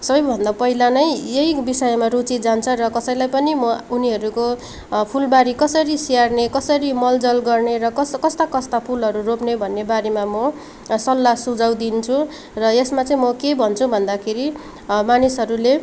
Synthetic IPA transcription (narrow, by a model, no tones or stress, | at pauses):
sʌbʌjbʱʌnd̪apʌɦilanʌjjeibisʌjmarut͡sid͡zant͡sʰʌrʌkʌsʌj̃lajpʌnimʌuniɦʌɾuko | pʰulbaɾikʌsʌɾisiarnekʌsʌɾimʌld͡zʌlɡʌrneɾʌkʌskʌst̪akʌst̪apʰulɦʌɾuropnebʱʌnːebaɾemamʌ | sʌlːasud͡zaw̃d̪int͡sʰu | rʌesmat͡sʌĩmʌkebʱʌnt͡sʰubʱʌnd̪akʰeɾi | manisɦʌɾule